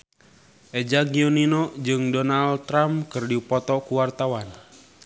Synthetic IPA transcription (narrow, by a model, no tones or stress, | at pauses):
ʔɛd͡ʒaɡiɔninɔd͡ʒɨŋdɔnalt̪ɾamkɨrdipɔt̪ɔkuwart̪awan